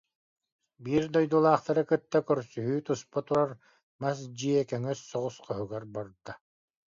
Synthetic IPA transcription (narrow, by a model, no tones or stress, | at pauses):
biːɾd̪ɔjd̪ulˠaːχt̪aɾɯkɯt̪ːakœɾsyɦyːt̪uspat̪uɾaɾ | mas̬d͡ʑiɛkœŋœsːɔʁusqœɦɯɡaɾbɔɾd̪a